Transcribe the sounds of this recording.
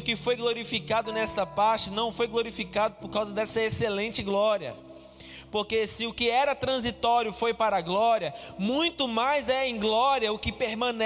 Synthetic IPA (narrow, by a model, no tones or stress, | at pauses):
ʊkɪfojɡloɾifikad̪ʊnɛst̪ɐpaɾt͡ʃɪnɐ̃w̃fojɡloɾifikad̪ʊpoɾkawzɐd̪ɛsɐeselẽnt͡ʃɪɡlɔɾiɐ̰ | poɾkesɪʊkɪɛɾɐt̪ɾɐ̃zit̪ɔɾjʊfojpaɾɐɡlɔɾiɐmũj̃t̪ʊmajzɛẽj̃ɡlɔɾiɐʊkɪpeɾmɐ̃nɛ